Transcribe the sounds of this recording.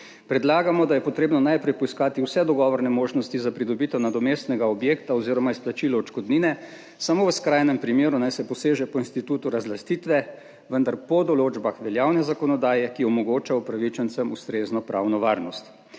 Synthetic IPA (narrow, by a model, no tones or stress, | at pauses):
pɾɛd̪laːɡamɔd̪ajɛpɔt̪ɾeːbnɔnajpɾɛjpɔiskaːt̪iuwsɛd̪ɔɡɔʋɔɾnɛmoːʒnɔst̪izapɾid̪ɔbit̪ɔwnad̪ɔmeːst̪nɛɡaɔbjeːkt̪aɔziːɾɔmaisplat͡ʃilɔɔt͡ʃkɔd̪niːnɛ | samoːʋəskɾajnɛmpɾimeːɾunajsɛpɔseːʒɛpɔinst̪it̪uːt̪uɾazlast̪it̪ʋɛ | ʋənd̪aɾpɔd̪ɔloːd͡ʒbaxʋɛljaːwnɛzakɔnɔd̪aːjɛkiɔmɔɡoːt͡ʃaupɾaʋit͡ʃɛnt̪sɛmust̪ɾeːznɔpɾawnɔʋaːɾnɔst̪